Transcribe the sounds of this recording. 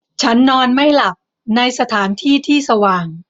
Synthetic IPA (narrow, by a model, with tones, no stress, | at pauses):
t͡ɕʰa˦˥nːɔː˧nma˥˩jla˨˩p̚ | na˧jsa˧t̪ʰaː˩˦nt̪ʰiː˥˩t̪ʰiː˥˩sa˧waː˨˩ŋ